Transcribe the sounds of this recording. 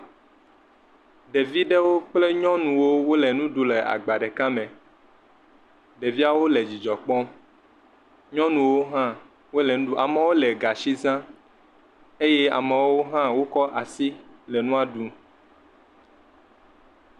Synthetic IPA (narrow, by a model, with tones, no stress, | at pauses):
ɖe˨vi˦ɖe˦wo˦k͡ple˦ɲɔ̃˦nũ˨wo˦wo˦le˨nũ˦ɖu˨le˨a̰˨ɡ͡ba˨ɖɛ˨ka˦mɛ̃˨ | ɖe˨vi˦a˦wo˦le˨d͡ʑi˨d͡ʒɔ˨k͡pɔ˦m | ɲɔ̃˦nũ˨wo˦ɦã˦ | wo˦le˨nũ˦u˦a˨me˨˦wo˦le˨ɡa˨ʃi˦zã˦ | e˦je˦a̰˨me˨wo˦ɦã˦wo˦kɔ˦ʔa˨si˦lɛ˨nũ˦a˨ɖu˦